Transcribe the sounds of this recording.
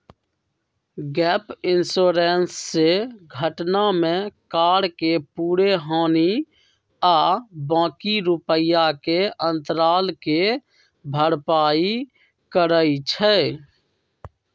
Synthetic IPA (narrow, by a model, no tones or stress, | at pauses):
ɡɛːpɪnsoːɾensːeɡʱəʈnamẽkaːɽkepuːɾeɦãːni | aːbãːkiɾupəjakeə̃nt̪ɾaːlke | bʱəɽpaːi | kəɾəit͡ʃʰɛ